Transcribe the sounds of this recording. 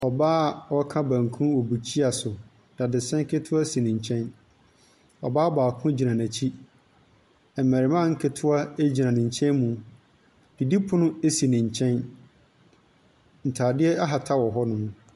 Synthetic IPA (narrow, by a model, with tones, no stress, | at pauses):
ɔ˨baː˦˨wɔ˦kʰã˦bæ̃˨ŋkʰũ˦wɔ˨bu˨t͡ɕʰi˦a˨sʊ˨ | d̥ã˨dɪ˨sɛ̃˦ŋ˦kʰɪ˦tʰʊ˦a˦si˨nɪ̃˨ɲ̩˨t͡ɕʰɛ̃˦n | ɔ˨baː˦baː˨kʰʊ̃˦d͡ʑi˨nã˨næ̃˨t͡ɕʰi˦ | ɛ˨mːæ̃˨ɾɪ˨mã˦˨ŋ̩˦kʰɪ˦tʰʊ˦a˦e˦d͡ʑi˨nã˨nɪ̃˨ɲ˨t͡ɕʰɛ̃˦nmũ˨ | d̥i˨di˦pʰʊ˦nʊ̃˦e˦si˨nɪ̃˨ɲ˨t͡ɕʰɛ̃˦n | n̩˨tʰaː˨dɪ˦ɛ˦a˦ɦa˨tʰa˦wɔ˨ɦɔ˦nʊ̃˨